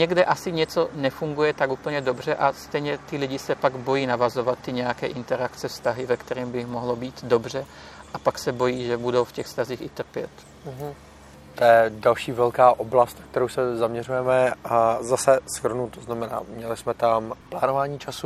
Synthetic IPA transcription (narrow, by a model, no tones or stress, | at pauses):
ɲɛɡdɛʔasɪɲɛt͡so̞nɛfuŋɡujɛt̪akuːpl̩ɲɛdo̞br̝ɛʔast̪ɛjɲɛt̪ɪlɪɟɪsɛpaɡbo̞jiːnavazo̞vat̪ːɪɲɛjakɛːʔɪnt̪ɛɾakt͡sɛfst̪aɦɪvɛkt̪ɛɾiːmbɪmo̞ɦlo̞biːt̪do̞br̝ɛ | ʔapaksɛbo̞jiːʒɛbudo̞wfcɛxfst̪aziːxɪt̪r̩pjɛ̰t̪̩ | ɦ̩ | t̪ojɛdalʃiːvɛlkaːʔoblast̪nak̚t̪ɛɾowsɛzamɲɛrujɛmɛazasɛsxr̩nut̪oznamɛna̰ːmɲɛlɪsmɛt̪amplaːnovaːɲiːt͡ʃasu